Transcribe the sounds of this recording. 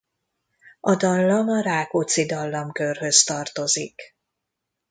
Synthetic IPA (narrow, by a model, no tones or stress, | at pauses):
ɒd̪ɒlːɒmɒɾaːkot̪sid̪ɒlːɒmkørɦø̞st̪ɒrt̪o̞zik